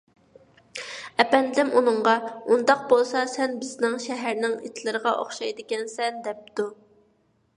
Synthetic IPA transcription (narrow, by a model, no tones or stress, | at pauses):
ɛpɛnd̪ɪlɪmʔunɨɴʁɑund̪ɑq̚bolˠsɑsɛnbɪznɪŋʃɛɦæɾnɪŋḛt̪ʰɪlˠɨɾəʁɑʔo̰χʃɑjd̪ɨkʲɛnsɛnd̪ɛp̚t̪u